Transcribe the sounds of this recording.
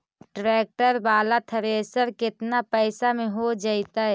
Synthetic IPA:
ʈɾeːk̚ʈəɾbaːlat̪ʰəɾeːsəɾkɪt̪napɛɪsamẽɦod͡ʒaːɪt̪aɦɛ

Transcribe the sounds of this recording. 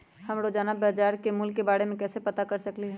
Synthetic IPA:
hɐmɾod͡ʒaːnabaːd͡ʒaːɾkemʊlkːebaːɽemẽkɛːsepɐt̪akɐɾsɐkliɦɛː

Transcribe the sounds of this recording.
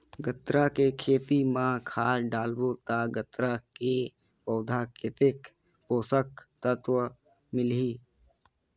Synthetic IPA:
ɡət̪ɾakekʰeːt̪imãkʰaːɾɖaːlbot̪aɡət̪ɾake | pəːd̪ʱaːkʰɪt̪ɪk | poːsək̚t̪ət̪wə | mɪlɦiː

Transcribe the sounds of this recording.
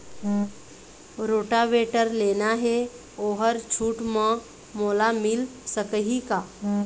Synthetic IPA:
ɾoːʈaʋeːʈəɾleːnaɦɛ | oːɦəɾt͡ʃʰuːʈmə̃ | moːlamɪlsəkəɦikaː

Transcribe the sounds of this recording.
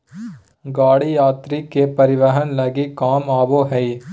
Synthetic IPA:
ɡaːɽijaːt̪ɾikepɐɾɪʋɐɦɐnlɐɡikaːmaːʋoːɦɐj

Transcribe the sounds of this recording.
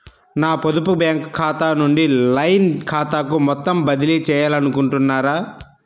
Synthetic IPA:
naːpod̪upubaːŋkkʰːaːt̪aːnuɳɖilɐjnkʰaːt̪aːkumɔt̪ːɐmbɐd̪ilit͡ʃɛːjaːlɐnukuɳʈunːaːɾaː

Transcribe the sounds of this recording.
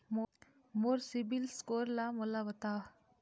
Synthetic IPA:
moɾsibilskoɾlamolaʋɐt̪a

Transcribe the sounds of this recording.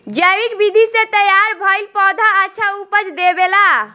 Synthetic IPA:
d͡ʒəʋikbid̪ʱisẽt̪əjaɾbʱəjlpɔd̪ʱaət͡ʃʰaupət͡ʃd̪ebela

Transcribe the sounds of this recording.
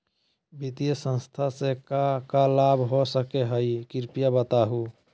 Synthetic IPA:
bit̪ijəsə̃nst̪ʰasekakalabʱɦosəkeɦəjkiɾpijabət̪aɦu

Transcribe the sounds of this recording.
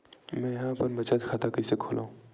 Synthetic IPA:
mɛ̃jɦãːpɐɾmɐt͡ʃat̪kʰaːt̪akəisekʰoːlʔa̰ːũ

